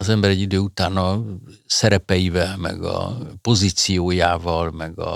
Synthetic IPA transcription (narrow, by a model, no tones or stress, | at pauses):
ɒzɛmbɛɾɛɟːid̪øːut̪aːnɒsɛɾɛpɛjivɛlmɛ̰ɡɒ̰po̞ziːt̪sijoːjaːvɒlmɛɡɒ̰